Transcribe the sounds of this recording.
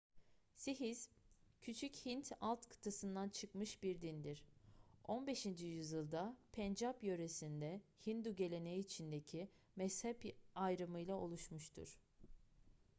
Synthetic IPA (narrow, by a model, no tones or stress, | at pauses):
siɦiz̥cʰyt͡ʃʰychint̪ʰalˠt̪kʰɯ̥t̪ʰɯsɯnd̪ant͡ʃʰɯkmɯʃbiɾd̪ind̪iɾ̥ʔo̞nbe̞ʃind͡ʒijyzjɯlˠd̪apʰɛnd͡ʒapjø̞ɾesind̪ɛhind̪uɟe̞lʲe̞nejiːt͡ʃʰind̪ecʰi | mɛshɛpajɾɯmɯjlˠao̞lˠuʃmuʃt̪ʰṵɾ̥